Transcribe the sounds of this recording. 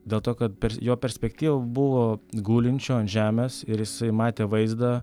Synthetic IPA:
d̪ʲeːlˠt̪oːkɐt̪pʲɛɾʲjoːpʲɛɾʲsʲpʲɛkt̪ʲiːʋɐbʊʋoːɡuːlʲɪnʲt͡ʃʲoːɐnʒʲæːmʲeːsɪɾjɪsɐɪmɑːt̪ʲeːʋɐɪzd̪ɑ

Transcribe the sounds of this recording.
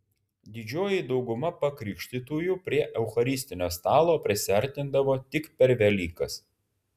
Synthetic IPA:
d̪ʲɪd͡ʒʲoːjɪd̪ɒʊɡʊmɐpɐkɾʲɪkʃʲt̪ʲɪt̪uːjupʲɾʲiɛʔɛʊxɐɾʲɪsʲt̪ʲɪnʲoːst̪ɑːlˠoːpʲɾʲɪsʲɪɐɾʲt̪ʲɪnd̪ɐʋoːt̪ʲɪkpʲɛɾʲʋʲɛlʲiːkɐs

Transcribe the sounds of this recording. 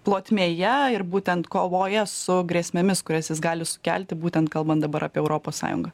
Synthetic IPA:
plˠoːt̪ʲmʲeːjɛɪɾbuːt̪ʲɛnt̪koːʋoːjɛsʊɡɾʲiɛsʲmʲɛmʲɪskʊɾʲɛsjɪsɡɑːlʲɪsʊ̥kʲæːlʲt̪ʲɪbuːt̪ʲɛnt̪̚kɐlˠbɐnt̪̚d̪ɐbɐɾɑ̰ːpʲɛʊɾoːpoːssɑ̰ːjʊ̰ŋɡɑ

